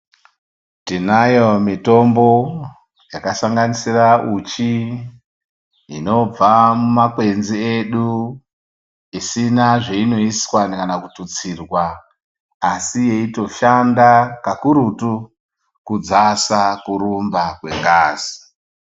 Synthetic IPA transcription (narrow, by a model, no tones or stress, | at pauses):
tinajo̞mito̞mbo̞ | jakasaŋɡanisiraʔut͡ʃi | ino̞b͡vamumakwe̞nzieɗu | isinaʐeino̞iswanikanakutut͡sirwaː | sije̞ito̞ʃandakakuɾutu | kud͡zasakuɾumbakwe̞ŋɡaːzi